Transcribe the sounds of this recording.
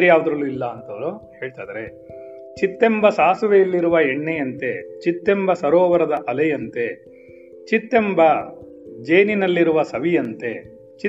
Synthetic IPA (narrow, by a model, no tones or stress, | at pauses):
ɾijaːʋud̪ɐɾɐlːuilːɐːnt̪ɐʋɐɾuhe̞ːɭt̪aːd̪ɐɾe̞ | t͡ʃit̪ːembɐsaːsuʋejɐlːiɾuʋɐeɳːejɐnt̪e̞t͡ʃit̪ːembɐsɐɾoːʋɐɾɐd̪ɐʔɐlɐjɐnt̪e̞ | t͡ʃit̪ːe̞mbɐ | d͡ʒeːninɐlːiɾuʋɐsɐʋijɐnt̪e̞ | t͡ʃi